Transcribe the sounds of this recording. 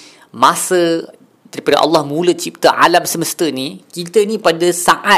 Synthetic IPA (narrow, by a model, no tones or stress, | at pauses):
mãsə | daɾipada̰ʔɑ̰lːɑhmũlət͡ʃip̚t̪əʔa̰lamsəməst̪ənikit̪ənĩpadasaʔa